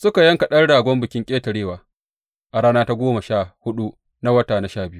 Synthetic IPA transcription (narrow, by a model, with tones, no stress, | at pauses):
sʊ˦ka˨jɐ˦ŋka˨ɗɐ˦rɽaː˨ɡʷɔ˦mbʊ˨kʲɪ˦ŋkʲʼeː˦tɐ˨ɽeː˦waː˨ | ʔa˨ɽaː˦naː˦ta˦ɡʷoː˦ma˨ʃaː˦˨hʊ˦ɗu˦ | na˦wɐ˦taː˨na˦ʃaː˦˨bɪ˦ju˦